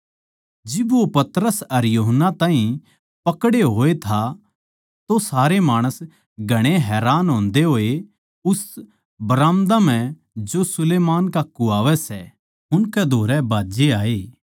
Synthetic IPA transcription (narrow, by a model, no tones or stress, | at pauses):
d͡ʒɪbʋopɐt̪ɾəsɐɾjuːɦənːat̪ãːɦĩ | pɐkɽeɦoːet̪ʰa | t̪osaːɾemaːɽ̃əs | ɡʱɐɽ̃eɦɛːɾaːnɦõːnd̪eɦoːe | ʊs | bɾaːmd̪am̤ɛ̃ | d͡ʒosʊleːmaːnkakːuaːʋɛsɛ | ɦʊnkɛd̪ʱoːɾɛbʱaːd͡ʒeaːeː